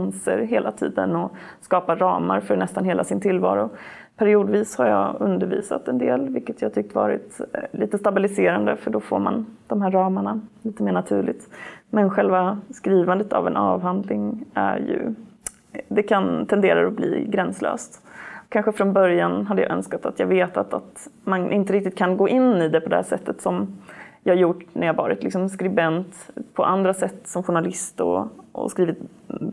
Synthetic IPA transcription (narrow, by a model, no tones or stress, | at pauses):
nsə̰ɾɦeːlʔat̪ʰḭːd̪ənɔskɑːpaɾɑːmaɾfœɾɳɛst̪anɦeːlasɪnt̪ʰɪlvɑ̰ːɾʊ | pʰæɾɪuːd̪viːshaɾjɑːɵnd̪əɾvḭːsa̰t̪ɛnd̪eːlvɪlkːət̪ʰjɑːt̪ʰʏk̚t̪əvɑ̰ːɾɪ̰t̪liːt̪əst̪abɪlɪseːɾand̪əfœɖɔfo̰ːɾma̰nd̪̥ɔmɦæːɾːɑːmaɳaliːt̪əmeːɳat̪ʰʉ̟ːɭɪt̪mɛnɧɛlvaskɾiːvand̪ət̪ʰa̰vɛnʔɑːvɦand̪lɪŋæ̰ɾjɵ̰ | d̪ɛkʰant̪ʰɛnd̪eːɾa̰ɾɔblḭːɡɾɛnslø̰ːst̪kʰanɧəfɾɔnbœɾjanɦad̪ːəja̰ːʔœ̰nskat̪at̪jɑːɡveːt̪at̪at̪manʔɪnt̪əɾɪk̚t̪ɪt̪kʰanɡoːʔɪnːɪd̪ɛpʰɔd̪ɛhæːʂɛt̪ʰːət̪sɔmjɑːhajʊʈnæjaːavɑ̰ːɾɪt̪lɪksɔmskɾɪbɛnt̪pʰɔʔand̪ɾasɛt̪ːsɔmɧʊɳalɪst̪ɔ̰ɔ̰skɾiːvɪt̪̚